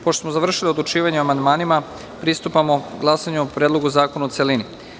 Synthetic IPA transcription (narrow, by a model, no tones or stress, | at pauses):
poʃt̪o̥smozaʋr̩ʃiliod̪lˠut͡ʃiːʋaɲeamand̪maːnima | pɾist̪upamo̞ɡlˠasaɲuopɾeːd̪lo̞ɡuzaːkonaotselini